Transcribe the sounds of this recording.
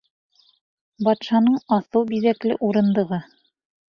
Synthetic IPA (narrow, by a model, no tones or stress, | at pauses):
bɑt̪ʃɑnɤɴɑθɤwbiðæklɘ̰ʔuɾɤ̆nd̪ɤ̆ʁɤ